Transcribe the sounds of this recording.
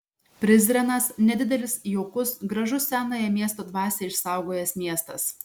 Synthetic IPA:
pʲɾʲɪzʲɾʲɛnɐsnʲɛd̪ʲɪd̪ʲɛlʲɪsjoʊkʊsɡɾɐʒʊæːnoːjɛmʲiɛst̪oːd̪ʋɑːsʲɛːɪʃsɑˑʊɡoːjɛsmʲiɛst̪ɐs

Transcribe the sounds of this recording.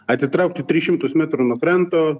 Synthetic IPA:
ɐt̪ʲɪt̪ɾɐʊk̚t̪ʲɪt̪ʲɾʲɪʃʲɪmt̪ʊsmʲæt̪ɾunokɾʲɛnt̪oː

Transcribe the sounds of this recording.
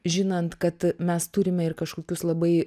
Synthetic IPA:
ʒʲɪnɐnt̪kɐt̪mʲɛst̪uːɾʲɪmʲɛɪrkɐʃkoːkʲʊslˠɐbɐɪ

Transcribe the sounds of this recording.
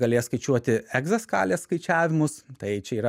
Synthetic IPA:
ɡɐlʲeːjɛskɐɪt͡ʃʲuɔt̪ʲɪɛɡzɐskɑ̰ːlʲeːsskɐɪt͡ʃʲæːʋʲɪmʊst̪ɐɪt͡ʃʲɛiːɾɐ

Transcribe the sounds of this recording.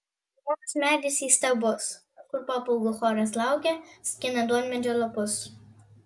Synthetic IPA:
moksmʲæːd̪ʲɪsʲiːst̪ɐbʊs | kʊɾpɑpʊlˠɡʊxɔɾʲɐslˠɑˑʊkʲɛsʲkʲɪnɐd̪uɔmʲmʲɛd͡ʒʲolˠɔpʊs

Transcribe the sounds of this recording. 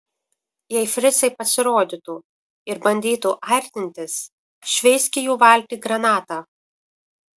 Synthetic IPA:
jɛɪfʲɾʲɪsɐɪpɐsʲɪɾoːd̪ʲɪt̪uː | ɪɾbɐnʲd̪ʲiːt̪uʔɐɾʲt̪ʲɪnʲt̪ʲɪs | ʃʲʋʲɛɪsʲkʲɪjuːʋɐlʲt̪ʲiːɡɾɐnɑːt̪ɑː

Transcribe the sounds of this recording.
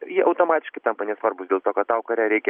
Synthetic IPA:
jiʔɐʊt̪oːmɑːt̪ʲɪʃkɐɪt̪ɐmpɐnʲɛsʋɐrbʊsd̪ʲeːlˠt̪oːkɐt̪tɑʊkɐɾʲæːɾʲɛɪkʲɛ

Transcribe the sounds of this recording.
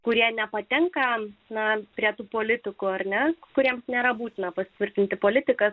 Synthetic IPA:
kʊɾʲiɛnʲɛpɐt̪ʲɛŋkɐnɐpʲɾʲiɛt̪uːpoːlʲɪt̪ʲɪkuɐɾnʲɛkʊɾʲiɛmsnʲeːɾɐbuːt̪ʲɪnɐpɐsʲɪt̪ʲʋʲɪɾʲt̪ʲɪnʲt̪ʲɪpoːlʲɪt̪ʲɪkɐs

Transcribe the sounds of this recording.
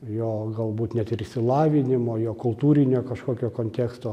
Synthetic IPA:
joːɡɐlˠbuːt̪nʲɛt̪ɪɾɪʃʲsʲɪlˠɑːʋʲɪnʲɪmoːjoːkʊlˠt̪uːɾʲɪnʲoːkɐʃkoːkʲoːkoːnʲt̪ʲæːkst̪oː

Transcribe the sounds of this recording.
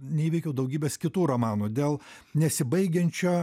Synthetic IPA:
nʲɛiːʋʲɛɪkʲɛʊd̪ɐʊɡʲiːbʲeːskʲɪt̪uːɾɐmɑːnuːd̪ʲeːlˠnʲɛsʲɪbɐɪɡʲɛnʲt͡ʃʲoː

